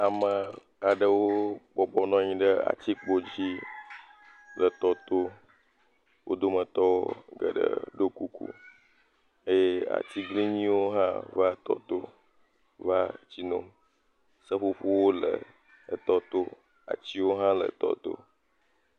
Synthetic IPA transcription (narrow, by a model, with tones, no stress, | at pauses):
a˨mə˨ | a˨ɖə˨wo˦bɔ˨bɔ˨nɔ̃˦ɲĩ˨ɖə˦a̰˨t͡ɕi˦k͡po˦d͡ʑi˦ | lə˨t̪ɔ˦t̪o˦ | wʔo˦d̪o˦mə̃˨t̪ɔ˦wo˦ɡə˨ɖə̰˨ɖo˦ku˦kṵ˦ | e˦je˦a̰˨t̪i˦ɡli˦ɲĩ˦wo˦ɦã̰˦va˦t̪ɔ̰˦t̪o˦ | va˦t͡ɕi˦nõ˦ | sə˦ɸu˦ɸu˦wo˦lə̰˨ | ə˨t̪ɔ˦t̪o˦ | a̰˨t͡ɕi˦wo˦ɦã˦lə̰˨t̪ɔ̰˦t̪o̰˦